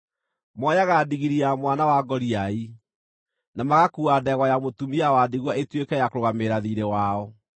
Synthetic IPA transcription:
mɔjaɣadiɣiɾiamwanawaɡɔɾiai | namaɣakuadɛɣwajamotumiawadiɣwaetwekɛjakoɾoɣameɾaðiɾewaɔ

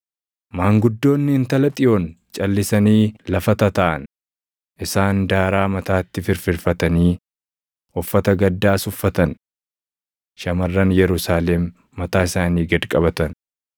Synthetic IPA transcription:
maːŋɡʊd̪ːo̞ːnːɪɪnt̪ɐlɐt̪ʼɪjo̞ːn | t͡ʃʼɐlːɪsɐniːlɐfɐt̪ɐt̪ɐʔɐ̰n | ʔɪsaːnd̪aːɾaːmɐt̪aːt̪ːɪfɪɾfɪɾfɐt̪ɐniː | ɔfːɐt̪ɐɡɐd̪ːaːsʊfːɐt̪ɐn | ʃɐmɐrːɐnjɛɾʊsaːlɛmː | ɐt̪aːɪsaːniːɡɐd̪kʼɐbɐt̪ɐn

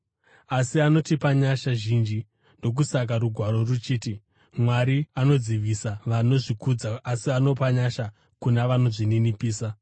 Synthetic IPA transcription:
asiano̞tipaɲaʃaʒind͡ʒi | ndo̞k̬usak̬aɾuɡʱwaɾo̞rut͡ʃiːti | mwaɾiano̞d͡ziʋisaʋano̞ʐikud͡zaːsiano̞paɲaʃa | kunaʋano̞ʐininipiːsa

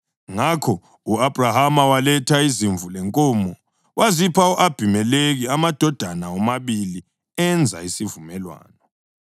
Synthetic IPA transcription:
ŋakʰɔ | uab̥ʱrahamawalɛtʰaiziɱvʱulɛŋkʼɔmɔ | wʔazipʰauʔab̥ʱimɛleɣiamad̥ʱɔd̥ʱanaɔmaβili | ɛnd͡zʱa̰isivumɛlwa̰ːnɔ

